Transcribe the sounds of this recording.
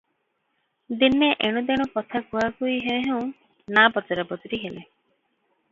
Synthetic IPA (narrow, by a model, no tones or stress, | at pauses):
d̪ineʔeɽ̃ud̪eɽ̃upɔt̪ʰakuɦakujɦeẽɦeũ | nabɔt͡ʃaɾɔbɔt̪ɔɾiɦele